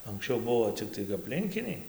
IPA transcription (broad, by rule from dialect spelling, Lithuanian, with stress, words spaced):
ɐŋksʲˈt͡ʃʲɛʊ ˈbuɔ ˈt͡sʲɪktɐɪ ɐpʲˈlʲɪŋʲkʲɪnʲɛɪ